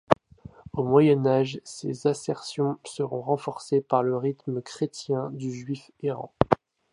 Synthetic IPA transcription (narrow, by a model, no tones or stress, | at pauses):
omwajɛnaʒsḛzasɛʁsjɔ̃səʁɔ̃ʁɑ̃fɔʁsepaʁləʁit̪məkχet̪jɛ̃d̪yʒɥif | eʁɑ̰̃